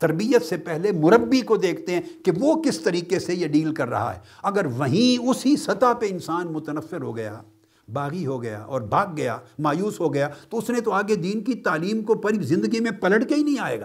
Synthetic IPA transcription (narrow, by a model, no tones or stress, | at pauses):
t̪ɐɾbijət̪sepɛɦlemʊɾəbːikod̪eːkʰt̪eɦɛ̃keʋokɪst̪ɐɾiːkesejeɖiːlkɐɾːɐ̰ɦa̰ɦɛ̰ːɐɡəɾʋɐɦĩʊsisɐt̪apeɪnsaːnmʊt̪ənəfːɪɾɦo̰ɡɐja̰ | baːɣiɦoɡɐja̰ʔɔ̰ːɾbʱaːɡːɐja̰ːmaːjuːsɦoɡɐjat̪oʊsnẽt̪oaːɡed̪iːnkit̪aːliːmkopɐɾizɪ̃nd̪əɡimẽpɐləɽkeɦinɐɦĩaːḛːɡaː